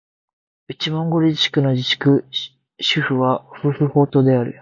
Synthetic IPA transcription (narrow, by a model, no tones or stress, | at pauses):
it͡ɕimõ̞ŋɡo̞ɾiɕi̥kɯ̟no̞d͡ʑiɕi̥kɯ̟ | ɕɨɸɯ̟βaosɨsɨho̞ːt̪o̞ːd̪e̞aɾɯ̟̰